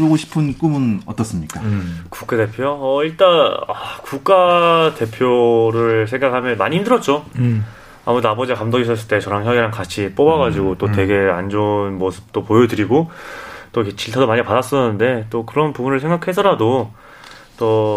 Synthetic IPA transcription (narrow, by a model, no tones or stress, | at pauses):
oɡoɕʰi̥pʰɯnk͈umɯnʌt͈ʌs͈ɯmɲik͈aku̥k͈ade̞pʰjoʌiɭt͈anakuk̚k͈ate̞pʰjoɾɯɭsʰe̞ŋɡakʰamjʌnmaɲiɦimdɯɾʌt̚t͡ɕ͈o | a̰mudabʌd͡ʑikamdʌɡisʰʌs͈ɯɭt͈e̞t͡ɕʌɾaŋçjʌɡiɾaŋkat͡ɕʰip͈obaɡad͡ʑiɡot͈otwe̞ɡe̞a̰nd͡ʑonmosʰɯ̥p̚t͈opojʌdɯɾiɡot͈oiket͡ɕiɭtʰadomaɲipadas͈ʌnɯnde̞t͈okɯɾʌnpubunɯɭsʰe̞ŋɡakʰe̞sʰʌɾado | t͈ʌ